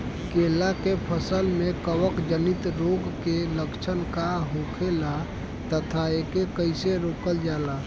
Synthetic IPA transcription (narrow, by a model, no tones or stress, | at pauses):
keːlakepʰəsəlmẽkəwəkd͡ʒənit̪ɾoːɡkeləkt͡ʃʰənkaɦokʰela | t̪ət̪ʰaekekəɪseɾoːkəld͡ʒaːla